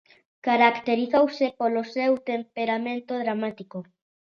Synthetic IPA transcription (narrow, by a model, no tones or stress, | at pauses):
kaɾakt̪eɾiθowsepolosewt̪empeɾamẽnt̪oðɾamat̪iko